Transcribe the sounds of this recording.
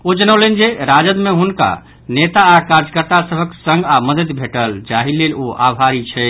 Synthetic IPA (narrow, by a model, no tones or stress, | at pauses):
od͡ʒənəwlend͡ʒeɾad͡ʒəd̪meɦunka̰ | net̪aːkaɾd͡ʒəkəɾt̪asəbʱəksəŋɡaməd̪əd̪bʱeʈəld͡ʒaɦileloʔabʱaɾit͡ʃʰɛ